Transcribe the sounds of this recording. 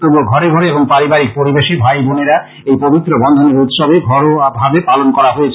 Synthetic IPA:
k̪uboɡʱɔɾeɡʱɔɾeeboŋpaɾibaɾik̚poɾibeʃibʱajbuneɾa | ejpobit̪ːɾobɔnd̪ʱoneɾut̪ʃɔbeɡʱɔɾobʱabepalonkɔɾaɦojet͡ɕʰ

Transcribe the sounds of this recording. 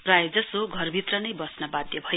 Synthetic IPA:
prajd͡zʌsoɡʱʌrbʱit̪rʌnʌjbʌsnʌbad̪jʌbʱʌ

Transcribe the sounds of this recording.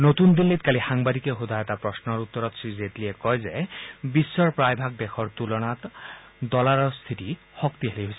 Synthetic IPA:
not̪und̪inlit̪̚kalixaŋbad̪ikexud̪ʱajɔt̪apɹɔsnɔɹut̪ːɔɾɔt̪sizet̪liɛkɔjzebisːɔɹpɹajbʱak̚d̪exʰɔɹt̪ulɔnat̪ | d̪ɔlaɹɔɹst̪ʰiti | xɔkt̪iɦeliɦojsɛ

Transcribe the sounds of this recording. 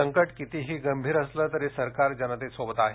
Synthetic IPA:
əŋkəʈkit̪iːɦiːɡəmbʱiːɾəsləːt̪əɾesəɾkaɾd͡ʑənət̪esʋobət̪aɦe

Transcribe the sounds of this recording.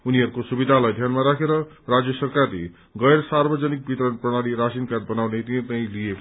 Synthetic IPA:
uniɦʌɾukosubid̪ʱalajd̪ʱjanmaɾakʰeɾʌ | rad͡zjʌsʌrkarlḛ | ɡʌjɾsarbʌd͡zʌnik̚bit̪ɾʌnprʌɽ̃aɽiɾasinkar̚bʌnawnet̪iaj̃lijek

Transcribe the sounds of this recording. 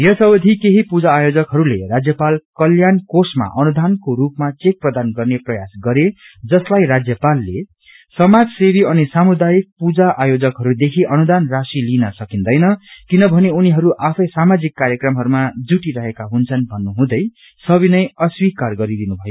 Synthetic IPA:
jʌsʌbʌd̪ʱikeɦipud͡zaːjod͡zʌkɦʌɾulerad͡zjʌpalkʌljankosma̰ʔʌnud̪ʱankoɾupmat͡sek̚prʌd̪anɡʌrneprʌjasɡʌɾe | d͡zʌslajɾad͡zjʌpalːe | sʌmad͡zsebiʌnisamud̪ajik̚pud͡zaʔajod͡zʌkɦʌɾud̪ekʰiʔʌnud̪anrasilinʌsʌkind̪ʌjnʌkinʌbʱʌneuniɦʌɾuʔapʰʌjsamad͡zikːaɾjʌkrʌmɦʌɾumad͡zuʈiɾʌɦekaɦunt͡sʰʌnbʱʌnːuɦũd̪ʌj | sʌbinʌjʌswikarɡʌɾid̪inubʱʌjo

